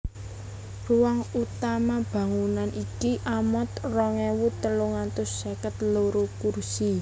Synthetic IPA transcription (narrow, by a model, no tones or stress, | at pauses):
ruwaŋut̪amab̥ä̤ŋunanʔikiʔamɔt̪rɔŋɛwut̪əloŋat̪ʊsːakət̪loɾokursi